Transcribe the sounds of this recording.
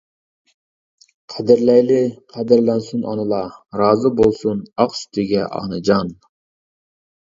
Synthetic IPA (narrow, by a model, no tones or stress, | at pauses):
qʰæd̪ɪɾlɛjlɪqʰæd̪ɪɾlɛnsunʔɑ̰nɨlˠɑɾɑːzɨbolˠsunɑqsy̥t̪ʰɪɡʲɛʔɑ̰ːnɨd͡ʒɑn